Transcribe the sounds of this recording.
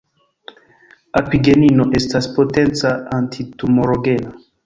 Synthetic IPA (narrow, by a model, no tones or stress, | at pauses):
apiɡe̞ninoʔestaspo̞tent͡saantʰitumoɾoɡe̞na